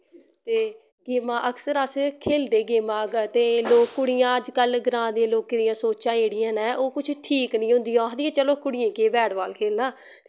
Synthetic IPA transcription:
t̪eː | ɡɪmãːʔəksəɾəskʰeːld̪eːɡɪːmãːɡt̪eːloːkːʊɽɪjãːəd͡ʒkəlɡɾãːd̪ẽːloːked̪ɪjãːsoːt͡ʃãːeːɽɪjãːnɛ̃ːʔoːkʊt͡ʃʰʈʰiːknĩːɦʊ̃nd̪iːjãːd̪iãːt͡ʃəloːkʊɽɪjẽːkeːbɛːɽʋaːlkʰeːlnaː

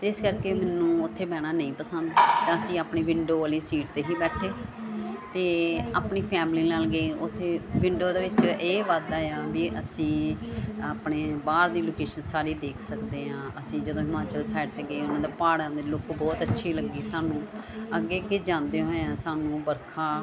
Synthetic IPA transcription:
t̪eːɪskəɾkeːmɛːnũːʊt̪ʰːeːbɛːɽ̃aːnəĩːpəsənd̪t̪ãːəsĩːaːpɳeːʋɪɳɖoːʋaːliːsiːʈ̚t̪eːɦiːbɛːʈʰeː | t̪eːaːpɳiːpʰɛːmliːnaːlɡeːʊt̪ʰːeːʋɪɳɖoːd̪aːʋɪt͡ʃeːʋaːd̪aːejaːbiːʔəsĩː | aːpɳeːbaːɾd̪iːloːkeːʃənsaːɾiːd̪eːkʰsəkd̪eːɦãːʔəsĩːd͡ʒəd̪õːɦɪmaːt͡ʃəlsaːɪʈt̪eːɡeeːʊnãːd̪eːpaːɽãːd̪eːloːkbɔːt̪ət͡ʃːʃʰiːləɡːiːsaːnũːəɡːeːkeːd͡ʒãːnd̪eɦoːãːsaːnũːbəɾkʰaː

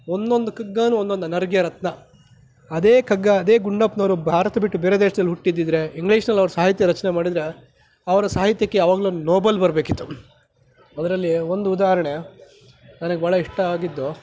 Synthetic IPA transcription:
ond̪o̞nd̪ukɐɡːaːnuːond̪o̞nd̪unɐɾɡjɐɾɐt̪nɐ | ɐd̪eːkɐɡːɐːd̪eːɡuɳɖɐpnɐːɾubʱaːɾɐt̪ɐbiʈːubeːɾed̪eːʂɐd̪ɐlːɦuʈːid̪ːid̪ɾe̞iŋɡliːʂnɐlːɐʋɐɾɐsaːɦit̪̬jɐɾɐt͡ʃɐnemaːɽid̪ɾe̞ | ɐʋɐɾɐsaːɦit̪jɐkːe̞ɐʋaːɡlunnoːbɐlbɐɾɐbeːkit̪ːu | ɐd̪ɐɾɐlːio̞nd̪uːd̪aːɦɐɾɐɳe | nɐnɐɡebaːɭɐiʂʈɐaːɡid̪ːu

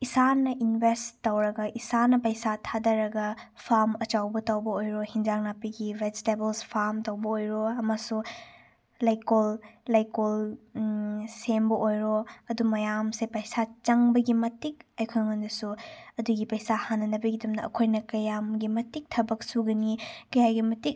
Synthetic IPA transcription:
isanɐʔinbʱestawɾɐɡɐʔisanɐpɐjsatʰadɐɾɐɡɐ | pʰaɾmɐt͡ʃawbɐtawbɐojɾohind͡ʒaŋnapiɡiɾestebelspʰaɾmtɐwbɐojɾoɐmasu | lajkollajkol | sembɐʔojɾoɐdumɐjamsepɐjsat͡ʃɐŋbɐɡimɐtik̚ɐjkʰɯŋɐndɐsuɐduɡipɐjsahanːɐnɐbɐɡidɐmnɐɐ̰kʰojnɐkɐjamɡimɐtik̚tʰɐbɐk̚suɡɐnikɐjajɡimɐtik̚

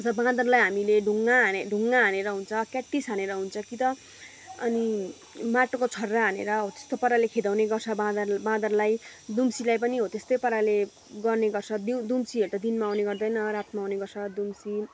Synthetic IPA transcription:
ʌd͡zʌbãd̪ʌrlajɦamileɖʱuŋːaeɖʱuŋːaɦaneɾʌɦunt͡sʰʌkaʈːisɦaneɾʌɦunt͡sʰʌkit̪ʌ | ʌni | maʈokot͡sʰʌrːaɦanḛɾʌɦot̪e̥st̪opʌɾalekʰed̪awneɡʌrt͡sʰʌbãd̪ʌbãd̪ʌrlajd̪umsilajpʌniɦot̪est̪ʌjpʌɾale | ɡʌrneɡʌrt͡sʰʌd̪id̪umsiɦeɾut̪ad̪inmaːwneɡʌrd̪ʌjnʌɾat̪maawneɡʌrt͡sʰʌd̪umsi

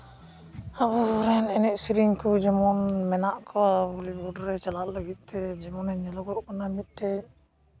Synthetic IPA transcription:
abɔɾɛnɛnɛʔsiɾiŋkud͡ʒɛmɔnmɛnaʔkʰɔabɔlibɔɖɔɾɛt͡ʃalaʔləɡit̪̚ˀt̪ɛd͡ʒɛmɔnɛɲɛlɔɡɔʔkɔnamit̪̚ʈɛ

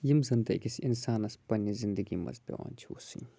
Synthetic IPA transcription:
jimzɐnd̪ɐkisinsaːnɐspɐnːizind̪əɡimɐ̰zbʲḛwa̰ːnʲt͡ʃʰiṵsɨ̰ɲ

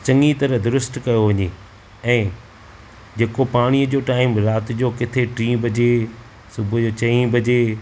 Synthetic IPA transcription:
t͡ɕɐ̃ŋit̪ɐɾəɦd̪ʊɾʊsʈkɐjoʋɐɲeː | ɛ̃ː | d͡ʑeːkopaːɽ̃iəd͡ʑoːʈaːɪmɾaːt̪ɪd͡ʑoːkɪt̪ʰeʈɾĩːbʱɐd͡ʑe | sʊbʱʊd͡ʑoːt͡ɕɐĩbɐd͡ʑeː

